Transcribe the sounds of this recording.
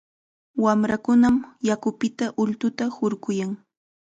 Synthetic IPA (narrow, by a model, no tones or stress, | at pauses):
wamɾakʊnamjakʊpɪt̪aʔʊlt̪ʊt̪ahʊɾɢʊjaŋ